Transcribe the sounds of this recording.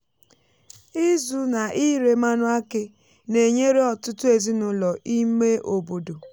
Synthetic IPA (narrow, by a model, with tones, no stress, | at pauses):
i˦zu˨na˨ʔi˦ɾe˨ma˦nʊ˦a˦ke˦ | ne˨ɲe˦ɾe˦ɔ˨tʊ˦tʊ˦e˨zi˦nʊ˦lɔ˨ʔi˦me˦ʔo˨bo˨do˨